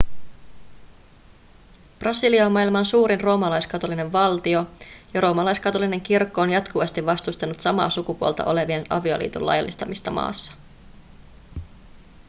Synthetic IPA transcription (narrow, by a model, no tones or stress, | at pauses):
prɑsiliɑmːɑːilmɑnsuːɾinro̞ːmɑlɑjskɑt̪o̞line̞ʋʋɑlt̪io̞jɑro̞ːmɑlɑjskɑt̪o̞line̞ŋk̟irkːo̞ːnjɑt̪kuʋɑst̪iʋʋɑst̪ust̪ɑnut̪sɑmɑ̰ːsukupuolt̪ɑ̰ʔo̞le̞ʋie̞nɑ̰ʋio̞̰lḭːt̪ṵlːɑ̰jɑ̰lːist̪ɑmist̪ɑmɑ̰ːsːɑ̥